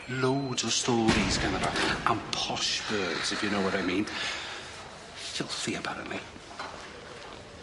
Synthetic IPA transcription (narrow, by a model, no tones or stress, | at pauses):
lowdɔstɔːɾiz̥kʰənəɾa̰ʔanpʰɔʃb̥ɜːdz̥ɪfjənowwɔɾajmĩːn | ʃɪlˠθiəpʰaɾə̰nʔlḭ